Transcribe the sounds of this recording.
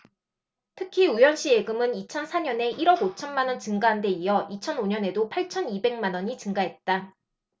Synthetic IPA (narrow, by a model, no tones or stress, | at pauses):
tʰɯkʰiujʌnɕ͈ie̞ɡɯmɯnit͡ɕʰʌnsʰaɲʌne̞ʔiɾʌɡot͡ɕʰʌnmanʌnt͡ɕɯŋɡaɦande̞ijʌʔit͡ɕʰʌnoɲʌne̞dopʰaɭt͡ɕʰʌnibe̞ŋmanʌɲit͡ɕɯŋɡaɦe̞t̚t͈a